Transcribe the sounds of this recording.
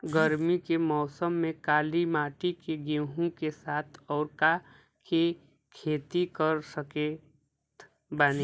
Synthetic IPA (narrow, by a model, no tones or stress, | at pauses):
ɡəɾmikemɔːsəmːẽkaːlimaːʈikeɡẽɦũkesaːt̪ʰɔːɾka | kʰe | kʰeːt̪ikəɾsəke | t̪ | bani